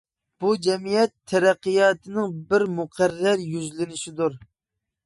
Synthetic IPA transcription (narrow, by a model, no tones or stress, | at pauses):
b̥ud͡ʒɛmijɛt̪ʰːɛɾæqːɨjɑːt̪ʰɨnɨŋbɪɾmuqʰæɾːæɾjyzlɪnɪʃɪd̪uɾ